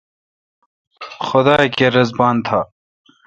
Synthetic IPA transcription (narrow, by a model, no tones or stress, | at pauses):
xʊd̪aːkeːɾɐzbaːnt̪ʰaː